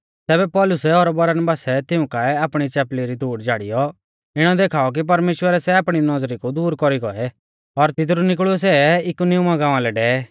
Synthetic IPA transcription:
t̪ɛːbɛpɔːlʊsɛɔɾbɐɾanbaːsɛt̪ɪʊ̃kaɛaːpɽ̃it͡ʃɛːpliɾit̪uːɽd͡ʒaːɽḭjɔ | ɪɽ̃ɔd̪eːkʰaːɔk̬ip̬ɐɾmeːʃwəɾɛsɛaːpɽ̃inɔzɾikud̪uːɾkɔɾiɡɔ̰ɛ | ɔɾt̪ɪt̪̬ɾunɪk̬ɭʊɛsɛɪkunɪumaɡãːãlɛɖɛːɛ

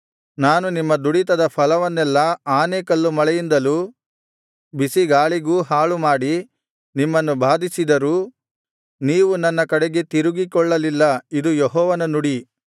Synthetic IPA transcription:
naːnunimːɐd̪uɽit̪ɐd̪ɐpʰɐlɐʋɐnːɛlːɐaːneːkɐlːumɐɭɛjind̪ɐluː | bisiɡaːɭiɡuːɦaːɭumaːɽi | nimːɐnːubʱaːd̪ʱisid̪ɐɾuː | niːʋunɐnːɐkɐɽeɡet̪iɾuɡikɔɭːɐlilːɐid̪ujɔɦɔːʋɐnɐnuɽi

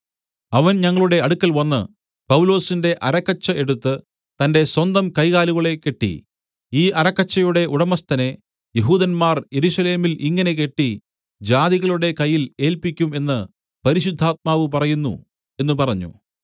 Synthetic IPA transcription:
ɐʋɐnɲɐŋːɐɭuɽe̞ɐɽukːɐlʋɐnːɨ̰ | pɐwlo̞ːsinde̞ʔɐɾɐkːɐt͡ɕːɐe̞ɽut̪ːɨ | t̪ɐnde̞swɐnd̪ɐmkɐjɣaːluɣɐɭe̞kːe̞ʈːḭ | iːʔɐɾɐkːɐt͡ɕːɐjuɽe̞ʔuɽɐmɐst̪ɐne̞ | jeɦuːðɐnmaːrje̞ɾusɐle̞ːmilʔiŋːɐne̞ke̞ʈːi | d͡ʑaːðiɣɐɭuɽe̞kɐjːile̞ːlpikʲːume̞nːɨ | pɐɾiɕud̪ʱːaːt̪̚maːʋɨpɐrɐjunːṵ | e̞nːɨpɐrɐɲːṵ

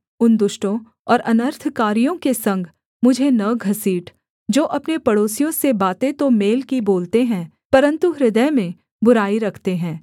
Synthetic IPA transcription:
ʊnd̪ʊʃʈõ | ɔːɾʔɐnəɾt̪ʰkaːɾijõkesɐ̃ŋɡʱ | mʊd͡ʒʱenɐɡʱɐsiːʈ | d͡ʒoːʔɐpnepɐɽoːsijõsebaːt̪et̪omeːlkiboːlt̪eɦɛ̃ː | pɐɾə̃nt̪uɦɾɪd̪əjmẽ | bʊɾaːiɾɐkʰt̪eɦɛ̃ː

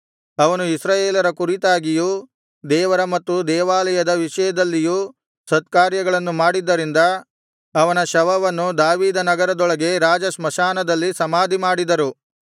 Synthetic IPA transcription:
ɐʋɐnuisɾaːjeːlɐɾɐkuɾit̪aːɡiju | d̪ɛːʋɐɾɐmɐt̪ːud̪ɛːʋaːlɐjɐd̪ɐʋiʂɐjɐd̪ɐlːiju | sɐt̪̚kaːɾjɐɡɐɭɐnːumaːɽid̪ːɐɾind̪ɐː | ʋɐnɐʃɐʋɐʋɐnːud̪aːʋiːd̪ɐnɐɡɐɾɐd̪ɔɭɐɡe̞ɾaːd͡ʒɐsmɐʃaːnɐd̪ɐlːisɐmaːd̪ʱimaːɽid̪ɐɾu

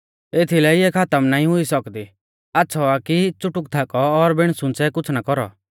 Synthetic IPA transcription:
eːt̪ʰilɛiɛkʰat̪əmnaːĩɦʊisɔkd̪i | atːsʰɔakit͡sʊʈʊk̚t̪ʰakɔːɾbɪɽ̃sʊ̃nt͡sɛkʊt͡sʰnakɔɾɔ̰

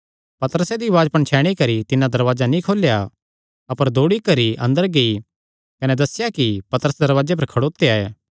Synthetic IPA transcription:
pɐt̪əɾəsed̪iʋaːd͡ʒpɐɳt͡ʃʰɛːɽ̃ikɐɾit̪ɪnãd̪ɐɾʋaːd͡ʒanĩkʰoːlja | ɐpəɾd̪ʱoːɽikɐɾiʔɐ̃nd̪əɾɡei | kɐnɛd̪ɐsɪjakipɐt̪əɾəsd̪ɐɾʋaːd͡ʒep̬ɐɾkʰɐɽoːt̪eaeː

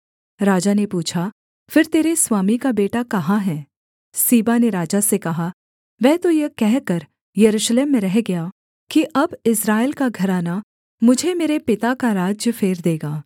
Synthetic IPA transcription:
ɾaːd͡ʒanepuːt͡ʃʰa | fɪɾt̪eːɾeswaːmikabeːʈakɐɦaɦɛ̃ː | siːbaneɾaːd͡ʒasekɐɦa | ʋɛ̃ːt̪ojɐkɛɦkɐɾ | jɐɾuːʃleːmːẽɾɛɦɡɐjaː | kiʔɐbɪsɾaːɪlkaɡʱɐɾaːna | mʊd͡ʒʱemeːɾepɪt̪akaɾaːd͡ʒjəfʰeːɾd̪eːɡaː

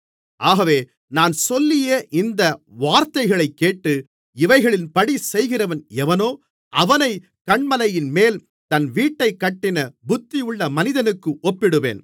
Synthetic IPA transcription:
ʔaːɣɐʋeː | naːnsɔlːɪjeːʔɪnd̪ɐʋaːɾt̪ɐɪɣɐɭɐɪkːeːʈːɯ | ɪʋɐɪɣɐɭɪnpɐɽisɛjɣɪrɐʋɐnɛʋɐnoː | ʔɐʋɐnɐɪ | kɐɳmɐlɐjɪnmeːl | t̪ɐnʋiːʈːɐɪkːɐʈːɪnɐbʊt̪ːɪjɯɭːɐmɐnɪðɐnɯkːɯʔɔpːɪɽɯʋḛːn

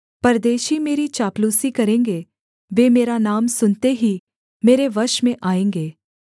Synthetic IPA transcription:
pɐɾd̪eːʃimeːɾit͡ʃaːpluːsikɐɾẽːŋɡe | ʋeːmeːɾanaːmsʊnt̪eɦi | meːɾeʋɐɾʃmẽʔaːẽːŋɡeː

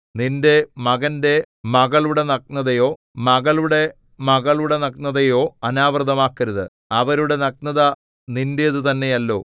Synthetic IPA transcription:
ninde̞mɐɣɐnde̞ | mɐɣɐɭuɽe̞nɐk̚nɐðɐjo̞ː | mɐɣɐɭuɽe̞ | mɐɣɐɭuɽe̞nɐknɐðɐjo̞ːɐnaːʋrd̪ɐmaːkːɐɾɐðɨ | ɐʋɐɾuɽe̞nɐk̚nɐðɐ | nindeɐðɨt̪ɐnːe̞jɐlːo̞ː

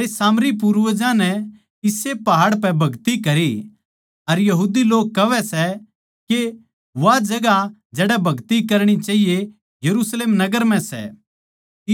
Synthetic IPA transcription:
esaːmɾip̬uɾʋəd͡ʒãnɛ | ɪsepɐɦaːɽpɛbʱɐɡt̪ikɐɾi | ɐɾjɐɦuːd̪iloːkːɐʋɛsɛ | ke | ʋad͡ʒɐɡad͡ʒɛːɽɛbʱɐɡt̪ikɐɾɽ̃it͡ʃaːɦije | jɐɾuːsleːmnɐɡəɾm̤ɛ̃sɛ̰

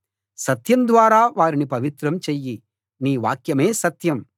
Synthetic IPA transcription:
sɐt̪jɐmd̪ʋaːɾaːʋaːɾinipɐʋit̪ɾɐmt͡ʃeːjːi | niːʋa̰ːkjɐme̞ːsɐt̪jɐm

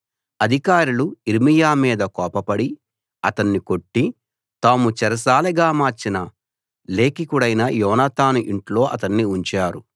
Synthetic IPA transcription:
ɐd̪ʱikaːɾuluiɾmijaːmiːd̪ɐkɔːpɐpɐɽi | ɐt̪ɐnːiko̞ʈːi | t̪aːmut͡ʃɛɾɐsaːliɡaːmaːɾt͡ʃinɐ | le̞ːkikuɽɐjnɐjɔːnat̪aːnuʔiɳʈlo̞ːʔɐt̪ɐnːiuɲt͡ʃaːɾu

